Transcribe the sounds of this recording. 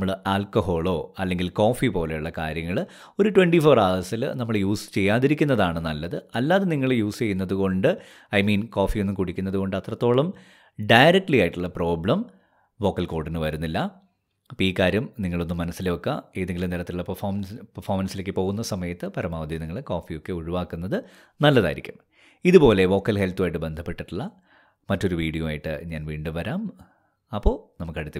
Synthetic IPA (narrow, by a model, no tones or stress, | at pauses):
mːɐɭaːlkɐɦo̞ːɭo̞ːɐlːe̞ŋɡilko̞ːfipo̞ːle̞juɭːɐka̰ːɾjɐŋːɐɭ | o̞ɾuʈweɳɖifo̞ːraːðɐsilnɐmːɐɭjuːst͡ɕe̞jːaːðiɾikʲːunːɐðaːɳɨnɐlːɐðɨɐlːaːðeniŋːɐɭjuːst͡ɕe̞jːunːɐðuɣo̞ɳɖɨ | ɐjmiːnko̞ːfijonːumkuɽikʲːunːɐðuko̞ɳɖɨɐt̪rɐt̪ːo̞ːɭɐm | ɖɐjɾek̚ʈlijaːjiʈːuɭːɐpro̞ːbɭɐm | ʋo̞ːkːɐlko̞ːrɖinɨʋɐɾunːilːɐ | piːkːaːɾumniŋːɐɭo̞nːumːɐnɐsːilejokːɐe̞ːðeŋɡʲilumniɾɐt̪ːiluɭːɐpɐfoːmnpɐrfoːmɐnsilekːɨpo̞ːɣunːɐsɐmɐjɐt̪ːɨpɐɾɐmaːʋɐd̪ʱjiniŋːɐɭeko̞ːfijo̞kːe̞uɻuʋaːkːunːɐðɨ | nɐlːɐðaːjḭɾḭkʲːum | iðupo̞ːle̞ʋo̞ːkːɐlhelt̪uʋaːjʈːɨbe̞nd̪ʱɐpːe̞ʈːiʈːuɭːɐ | mɐtːo̞ɾuʋiːɽijumaːjiʈːɨ̰ɲaːnʋiːɳɖuʋɐɾaːm | ɐpːo̞ːnɐmukːɐɽut̪ːi